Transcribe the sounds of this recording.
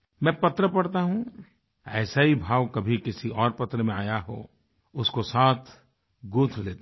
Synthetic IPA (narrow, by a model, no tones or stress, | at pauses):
mɛ̃pɐt̪ɾəpɐɽt̪aɦũ | ɛ̰ːsaɦibʱaːʋkɐbʱikɪsiɔːɾpɐt̪ɾəmẽaːjaɦo̰ː | ʊskosaːt̪ʰ | ɡũːt̪ʰleːt̪